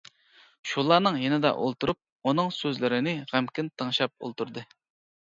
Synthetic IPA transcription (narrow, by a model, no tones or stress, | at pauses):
ʃulˠɑɾnɨŋjenɪd̪ɛ̰ʔo̰lˠt̪uɾup̚ | unɨŋsøzlɪɾɪnɪʁæmkʲɪnt̪ʰːəŋʃɑp̚o̰lˠt̪ʰuɾd̪ɨ